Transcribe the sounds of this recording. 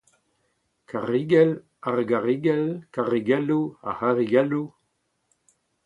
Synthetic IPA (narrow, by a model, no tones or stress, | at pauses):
kʰaʁiɡɛl | aʁɡaʁiɡɛlkaʁiɡɛlua̰haʁiɡɛlu